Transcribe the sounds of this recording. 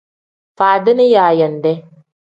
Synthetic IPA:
faː˨d̪ɪ˦ni˦jaː˨jɐ˨nd̪ɛ˦

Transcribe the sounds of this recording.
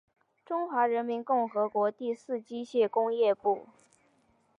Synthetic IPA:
ʈ͡ʂʊ˥ŋxwa˧˥ɻə˧˥nmi˧˥nkʊ˥˩ŋxɤ˧˥kwɔ˧˥t̪i˥˧sɹ̩˥˧t͡ɕi˥ɕjɛ˥˩kʊ˥ŋjɛ˥˧pu˥˩

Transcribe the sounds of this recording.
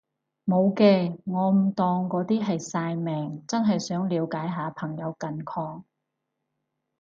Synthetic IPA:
mo˨˧wkɛː˧ŋɔː˨˧m̩˨˩t̪ɔː˨ŋkɔː˨˧˥t̪iː˥ɦɐ˨jsaː˧jmɛː˨ŋt͡sɐ˥nɦɐ˨jsœː˨˥ŋliː˨˧wkaː˨˥jɦaː˨˧pʰɐ˨˩ŋjɐ˨˧wkɐ˨nkʰɔː˧ŋ

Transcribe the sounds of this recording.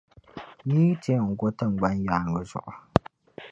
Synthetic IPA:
jiː˦te˦˨ŋ̩˨ɡo˦tɨ˦ŋ͡mɡ͡ba˦njaː˨˦˨ŋə˨zʊ̰˨ʔʊ˨

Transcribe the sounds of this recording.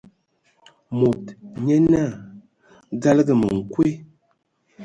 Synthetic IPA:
mo˨tɲɛ˦na˦˨ | ɡa˦lɡə˨mə̰˨ŋ̩˨kwe˦

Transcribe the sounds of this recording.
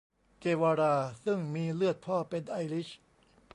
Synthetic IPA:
keː˧waː˧ɾaː˧sɯ˥˩ŋmiː˧lɯ˥˩ət̪̚pʰɔː˥˩pe˧nʔaː˧jli˦˥ɕ

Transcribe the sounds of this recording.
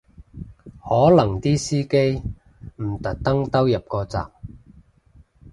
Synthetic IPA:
hɔː˨˥lɐ˨˩ŋt̪iː˥siː˥ke˥j | m̩˨˩t̪ɐ˨k̚t̪ɐ˥ŋt̪ɐ˥wjɐ˨p̚kɔː˧t͡sa̰ː˨˩p̚

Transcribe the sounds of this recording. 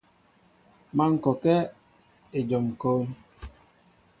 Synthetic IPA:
ma˦ŋ̩˨kɔ˨kɛ˦ | e˨d͡ʒɔ˨m˨koː˦

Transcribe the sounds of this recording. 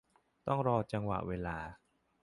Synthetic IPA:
t̪ɔ˥˩ŋɾɔː˧t͡ɕa˧ŋwa̰˨˩ʔweː˧laː˧

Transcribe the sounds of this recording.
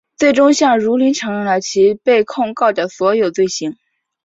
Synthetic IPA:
t͡swe˥˩ɪʈ͡ʂʊ˥ŋɕjɑ˥˩ŋɻu˧˥li˧˥nʈ͡ʂʰɤ˧˥ŋɻə˧˥nlə˩t͡ɕʰi˧˥pe˥˧ɪkʰʊ˥˧ŋkɑ˥˩ʊd̪ə˩swɔ˧˥jo˨˩ʊt͡swe˥˩ɪɕi˧˥ŋ

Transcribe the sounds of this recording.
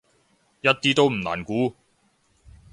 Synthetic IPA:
jɐ˥t̚t̪iː˥t̪o˥wm̩˨˩na̰ː˨˩nkuː˨˥

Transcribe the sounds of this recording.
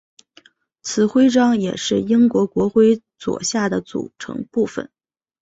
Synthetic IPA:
t͡sʰɹ̩˨˩xwe˥ɪʈ͡ʂɑ˥ŋjɛ˨˩ʂɻ̩˥˩i˥ŋkwɔ˧˥kwɔ˧˥xwe˥ɪ | t͡swɔ̰˨˩ɕja˥˩d̪ə˩t͡sṵ˨˩ʈ͡ʂʰɤ̰˧˥ŋpu˥˩fə̰˨˩˦n

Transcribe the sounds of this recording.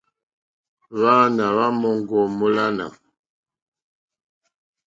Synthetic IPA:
βa˦na˨βa˦mɔ˨ŋ˨ɡɔ˨mo˦la˦na̰˨

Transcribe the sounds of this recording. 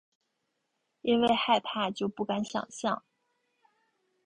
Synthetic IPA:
i˥nwe˥˧ɪxa˥˧ɪpʰa˥˧t͡ɕjo˥˧ʊpu˥˩ka˧˥nɕjɑ̰˨˩ŋɕjɑ˥˩ŋ

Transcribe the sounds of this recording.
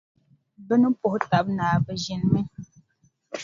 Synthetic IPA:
bɨ˦nɨ˦pʊ˨hʊ˦ta˨bnaː˨bɨ˨ʒɪ˨nmɨ˦

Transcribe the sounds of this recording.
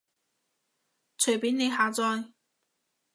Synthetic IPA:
t͡sʰɵ˨˩jpeː˨˥ne˨˧jɦaː˨˧t͡sɔː˧j

